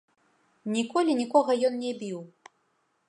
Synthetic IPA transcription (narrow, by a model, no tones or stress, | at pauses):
nʲikɔlʲinʲikɔɣɐjɔnnʲɛbʲiw